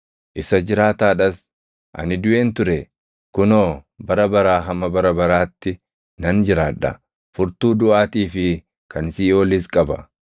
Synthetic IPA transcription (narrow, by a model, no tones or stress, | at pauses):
ʔɪsɐd͡ʒɪɾaːt̪aːᶑɐs | ʔɐ̰nɪd̪ʊʔe̞ːnt̪ʊɾɛ | kʊnoːbɐɾɐbɐɾaːɦɐmːɐbɐɾɐbɐɾaːt̪ːɪ | nɐnd͡ʒɪɾaːᶑɐ̰ | fʊɾt̪uːd̪ʊʔaːt̪iːfɪ | kʰɐnsiːoːlɪskʼɐbɐ